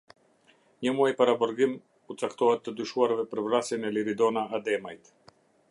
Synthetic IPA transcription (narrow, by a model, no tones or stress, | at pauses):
ɲəmuajpaɾabɔɾɡim | ut͡sakt̪ɔɦɛt̪ːəd̪yʃuaɾvɛpəɾvɾasɛnɛliɾid̪ɔnaːd̪ɛmajt̪